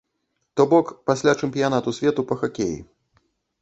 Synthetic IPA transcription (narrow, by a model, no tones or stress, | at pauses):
t̪ɔbɔkpasʲlʲat͡ʂɛmpʲijan̪at̪usʲvʲɛt̪upɐxakʲejḭ